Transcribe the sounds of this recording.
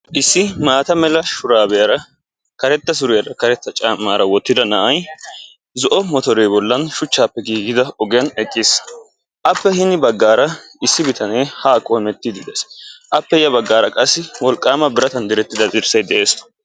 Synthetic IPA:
ʔɪsːɪmaːt̪ɐmɛlɐʃʊɾaːbɛjɐɾɐ | kɐɾɛt̪ːɐs̬ʊɾɪjɐɾɐkɐɾɛt̪ːɐt͡ʃʼamːaːɾɐwɔt̪ːɪd̪ɐnɐʔɐj | zɔʔɔmɔt̪ɔɾeːbɔlːɐnʃʊt͡ʃːaːpːɛɡiːɡɪd̪ɐɔɡɪjɐnɛkʼːɪs | ʔɐpːɛhɪnɪbɐɡːaːɾɐ | ɪsːɪbɪt̪ʰɐneːhaːkʼomɛt̪ːɪd̪ɪd̪esʔɐpːɛjɐbɐɡːaːɾɐkʼɐsːɪwɔlkʼːaːmɐbɪɾɐt̪ɐnd̪ɪɾɛt̪ːɪd̪ɐzʼɪɾsɐjd̪ɛʔe̞ːs

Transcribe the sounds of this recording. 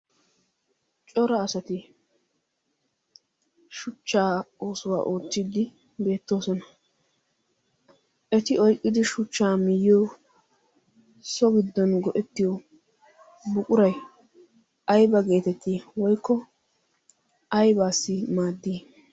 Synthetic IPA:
t͡ʃʼɔɾɐːsɐt̪ɪ | ʃʊt͡ʃːaːoːsʊwa̰ːʔo̞ːt͡sːid̪ɪ | be̞ːt̪ːo̞ːsɔnɐ | ʔɛt̪ɪɔjkʼːɪd̪ɪʃʊt͡ʃːaːmɪjːoː | sɔɡɪd̪ːɔnɡɔʔɛt̪ːɪjɔ | bʊkʼʊɾɐj | ɐjbɐɡe̞ːt̪ɛt̪ːiwɔjkːɔ | ɐjbaːsːɪmaːd̪ːiː

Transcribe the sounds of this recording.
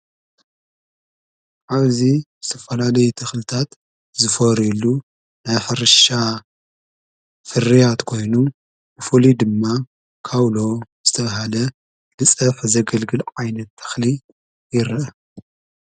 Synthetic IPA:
ʕaβzizɨt̪ʰɐfɐlalɐjut̪ʰɐxlɨt̪ʰat̪ | zɨfoɾilːu | najħɨɾɨʃa | fɨrijat̪kʰo̞jnu | bɨfulid̪ɨmːa | kʰawlo̞z̥ɨt̪ʰɐβaɦalɐ | lɨt͡sʼɐfzɐɡɐlɡɨlʕajnɐt̪ʰːɐ̥xli | jɪɾʔɐ

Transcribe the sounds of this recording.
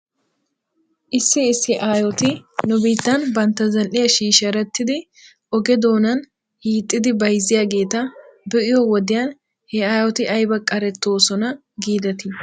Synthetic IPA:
ʔɪsːɪːsːɪʔaːjɔt̪ɪnʊbiːt̪ːɐnbɐnt̪ːɐzɐlʔɪjɐʃiːʃɐɾɛt̪ːɪd̪ɪ | ʔɔɡɛd̪o̞ːnɐn | hiːt̪ʼːɪd̪ɪbɐjzɪjaːɡe̞ːt̪ɐbɛʔɪjɔwɔd̪ɪjɐn | hɛaːjɔt̪ɪʔɐjbɐkʼɐɾɛt̪ːo̞ːsɔnɐ | ɡiːd̪ɐt̪ɪ

